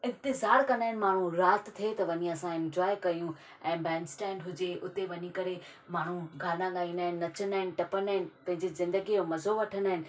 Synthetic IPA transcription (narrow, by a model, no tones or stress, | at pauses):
ɪ̃nt̪ɪzaːɾkɐnaːɪnɪ̆maːɳ̤ũɾaːt̪t̪ʰiet̪ɐʋɐɲiɐsãɪ̃nd͡ʑaːekɐjũ | ɛ̃ːbɛːnsʈɛ̃ːɳɖɦʊd͡ʑeʊt̪eʋɐɲikɐɾe | maːɳ̤ũɡʱaːlãɠaːiːnaːɦɪnːɐt͡ɕənaːɦɪnɪ̆ʈɐpənaːɦɪnɪ̆pɐ̃ɦɪ̃ɲd͡ʑizɪ̃nd̪əɡiomɐzoʋɐʈʰənaːɦɪnɪ̆